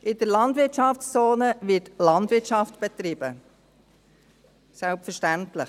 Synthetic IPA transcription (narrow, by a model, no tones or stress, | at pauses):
ʔɪd̥əɾlɑndʋɪtʃɑft͡st͡soːnəʋɪːtlɑndʋɪtt͡ʃɑftb̥ɛt̪ɾib̥ə | sɛlpfəʃtæntlɪχ